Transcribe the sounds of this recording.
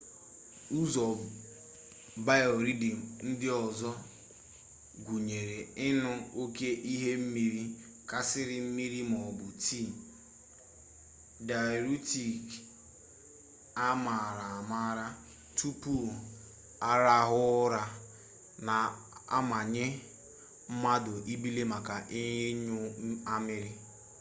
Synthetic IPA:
u˦zɔ˨ | ba˦o˨ɾi˦dɪ˨n̩˦dɪ˦ɔ˨zɔ˦ | ɡʷu˨ɲe˨ɾe˨ɪ˦nʊ˦o˦ke˦ʔi˦ɦe˦m̩˦mi˦ɾi˦ | ka˨sɪ˦ɾɪ˦m̩˦mi˦ɾi˦m˨ɔ˨bʊ˨ti˦˨ | da˨ɾu˦ti˨k | a˦ma˨ɾa˨a˨ma˦ɾa˦ | tu˦pu˦˨ | a˦ɾa˦ɦʊ˦ɾa˦ | na˨ | a̰˦ma˨ɲe˦ | m̩˦ma˦dʊ˨ʔi˦bi˦le˦ma˨ka˨ʔɪ˦ɲ˦ɲʊ˦a˦mɪ˦ɾɪ˦

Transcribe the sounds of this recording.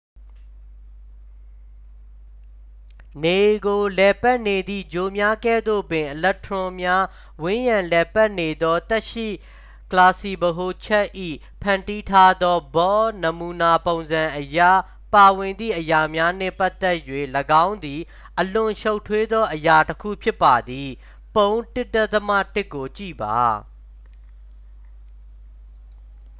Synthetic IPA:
ne˨ɡo˨lɛ˨pa˦ʔne˨d̪ḭ˦˨d͡ʑo˨mja˦kɛ̰˦˨d̪o̰˦˨pɪ̃˨ʔəlɛ˦tʰɹʊ̃˦mja˦ | wɪ̃˦jã˨lɛ˨pa˦ʔne˨d̪ɔ˦t̪ɛ˦ʔʃḭ˦˨ | kəla˨si˨bəɦo˨t͡ɕʰɛ˦ʔʔḭ˦˨ | pʰã˨nti˦tʰa˦d̪ɔ˦bɔ˦nə˨mu˨na˨põ˨ʊ̃nzã˨ʔəja̰˦˨ | pa˨wɪ̃˨nd̪ðḭ˦˨ʔəja˨mja˦nɛ̰̃˦˨pa˦t̪ːɛ˦ʔjwḛ˦˨ləɡã˦ʊ̃nd̪i˨ | ʔəlʊ̃˨ʃo˦ʊtʰːwe˦d̪ɔ˦ʔəja˨təkʰṵ˦˨pʰjɪ˦pːa˨d̪i˨ | põ˦ʊ̃ntɪ˦tɛ˦t̪əmä̰˦˨tɪ˦ʔkːo˨t͡ɕḭ˦˨ba̰˨

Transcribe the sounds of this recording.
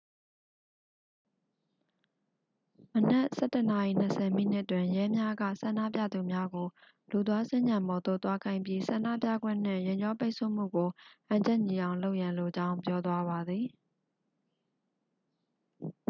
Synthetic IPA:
mənɛ˦ʔsɛ˦˨tə˨na˨ḭ˦˨n̥ə˨sɛ˨m̥ḭ˦˨n̥ɪ˦ʔtːwɪ̃˨jɛ˦mja˦ɡä̰˦˨sã˨ndä̰˦˨pjä̰˦˨d̪u˨mja˦ɡo˨ | lu˨t̪̬wa˦sɪ̃˦ɲd͡ʑã˨mbɔ˨t̪o̰˦˨t̪wa˦kʰã˨ɪ̃mpji˦sã˨na̰˦˨pja̰˦˨ɡwɪ̰̃˦˨n̥ɪ̰̃˦˨jẽ˨ɲd͡ʑɔ˦pe˦ɪʔsʰo˦˨m̥ṵ˦˨ɡo˨ʔã˨ɲd͡ʑɛ˦ʔɲi˨ʔã˨ʊ̃lo˦ʊʔjã˨nlo˨d͡ʑã˦ʊ̃mp̬jɔ˦t̪wa˦βa˨d̪ði˨

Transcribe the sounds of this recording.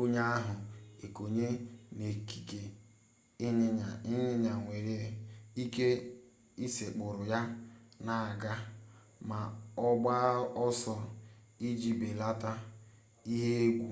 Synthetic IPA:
o˦ɲa˦a˦ɦʊ˨e˨ko˨ɲe˦ne˨ki̥˨ke˨ | ɪ˦ɲ˦˨ɪ˦ɲɪ˦ɲa˨ŋʷe˨ɾe˦i˦ke˦ | i˦se˨k͡pʊ˨ɾʊ˨ja˦na˨a˨ɡa˦ | ma˨ɔ˦ɡ͡ba˦ɔ˦sɔ˦ | i˦d͡ʒi˨be˨la˦ta˦ | i˦ɦe˦ɡʷu˨

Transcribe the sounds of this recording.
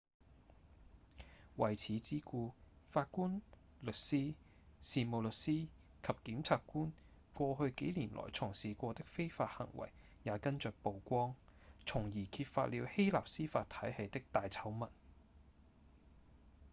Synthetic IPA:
wɐ˨˩jt͡sʰiː˨˥t͡siː˥kuː˧faː˧t̚kuː˥n | lɵ˨t̚siː˥ | siː˨mo˨wlɵ˨t̚siː˥ | kʰɐ˨p̚kiː˨˥mt͡sʰaː˧tkuː˥n | kʷɔː˧hɵ˧ɥke˨˥jliː˨˩nlʔɔ̰ː˨˩jt͡sʰʊ˨˩ŋsiː˨kʷɔː˧t̪ɪ˥k̚fe˥jfaː˧t̚hɐ̰˨˩ŋwɐ̰˨˩jː | aː˨˧kɐ˥nt͡ʃœː˨k̚po˨wkʷɔː˥ŋt͡sʰʊ˨˩ŋjiː˨˩kʰi˧t̚fa̰ː˧t̚liː˨˧whe˥jla̰ː˨p̚siː˥faː˧t̪ʰɐ˨˥jhɐ˨˧jt̪ɪ˥k̚t̪aː˨jt͡sʰɐ˨˥wmɐ˨˩n

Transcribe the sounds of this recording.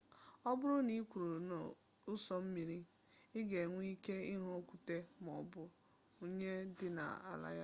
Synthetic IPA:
ɔ˦bʊ˦ɾʊ˦ni˦kʷu˨ɾu˨no˨ | ʊ˦sɔ˦m̩˦mi˨ɾi˦ | ɪ˦ɡe˨ŋʷ˦i˦ke˦ɪ˦ɦɔ˦kʷu˨te˦mɔ˨bʊ˦ | o˦ɲe˦dɪ˦na̰˨a̰˨la̰˦ja˦

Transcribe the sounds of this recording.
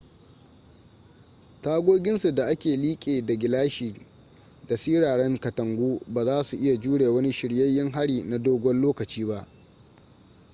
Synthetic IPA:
taː˦ɡʷoː˦ɡʲɪ˦nsu˨da˨ʔa˦kʲeː˨liː˦kʲʼeː˨da˨ɡʲɪ˨laː˦ʃiː˨ | da˨siː˦ɽaː˨ɽɛ˦ŋkɐ˨tɐ˨ŋɡʷuː˦baː˨zaː˦su˨ʔɪ˦ja˨d͡ʒuː˦ɽeː˨wɐ˦ni˦ʃɪ˨ɽjɐ˦jːɪ˦ŋɦa˦ɽiː˨na˨doː˦ɡʷɔ˦nloː˦kɐ˨t͡ʃiː˦ba˦ʔ

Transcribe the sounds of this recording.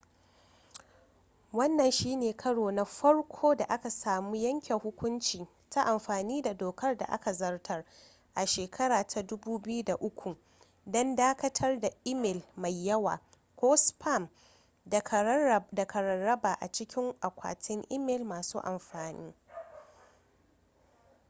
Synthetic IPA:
wɐ˦nːɐ˨nʃiː˦neː˨kʰɐ˦ɽoː˨na˦ɸɐ˦ɽkʷʰoː˦da˨ʔa˦ka˨saː˨muː˦jɐ˦ŋkʲɛ˨ŋhʊ˦kʷʊ˦nt͡ʃiː˨ | ta˦ʔa˨mɸaː˨niː˦da˨doː˨kɐ˦rda̰˨ʔa̰˦ka˨zɐ˦rtʰɐ˦r | ʔa˨ʃeː˨kʰɐ˦ɽaː˨tʰa˨dʊ˦buː˦bɪ˦ju˦da˨ʔʊ˦kʷʰu˨ | dɔ˦ndaː˦kɐ˦tʰɐ˦rda˨ʔɪ˦mɛ˨lma˨jːɐ˦wa̰ː˨ | kʷoː˦spʰa˦˨m˨ | da˨kʰɐ˨ɾɐ˨rːɐ˦baː˨ʔa̰˨t͡ʃɪ˦kʲɪ˦ŋʔa˨kʷa̰ː˨tʰɪ˦ŋʔɪ˦mɛ˨lmaː˨suː˦ʔa˨mɸaː˨nḭː˦

